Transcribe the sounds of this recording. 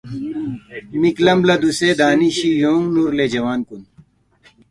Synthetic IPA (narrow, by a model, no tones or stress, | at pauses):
miklɐmblɐd̪useːd̪aːniɕijoːŋɡnuɾled͡ʑɐwaːnkun